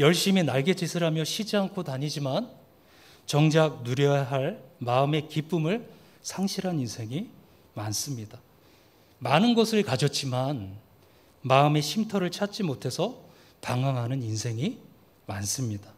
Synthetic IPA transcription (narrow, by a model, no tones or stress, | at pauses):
jʌɭɕ͈iminaɭɡe̞t͡ɕisʰɯɾɦamjʌɕʰid͡ʑiankʰotaɲid͡ʑiman | t͡ɕʌŋd͡ʑak̚nuɾjʌɦaɭmaɯme̞kip͈umɯɭ | sʰaŋɕʰiɾɦaninsʰe̞ŋi | mans͈ɯmɲida | manɯnɡʌsʰɯɭkad͡ʑʌt̚t͡ɕ͈iman | maɯme̞ɕʰimtʰʌɾɯɭt͡ɕʰat͡ɕ͈imotʰe̞sʰʌ | paŋaŋɦanɯninsʰe̞ŋi | mans͈ɯmɲida